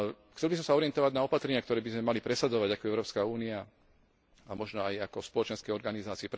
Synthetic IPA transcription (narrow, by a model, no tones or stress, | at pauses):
xt͡sɛlbisɔmsaɔɾɪɛnt̪ɔʋaɟnaɔpat̪ɾɛɲɪakt̪ɔɾɛːbizmɛmalipɾɛsad͡zɔʋaɟakɔɛʊɾɔːpskauːnia | amɔʒnɔajakɔfspɔlɔt͡ʃɛnskɛjɔɾɡanizaːt͡siip